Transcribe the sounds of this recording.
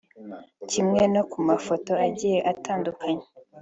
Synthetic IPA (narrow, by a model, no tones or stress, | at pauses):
cimŋe̞no̞kumafo̞to̞aɟije̞ʔatʰaːndukʰaɲe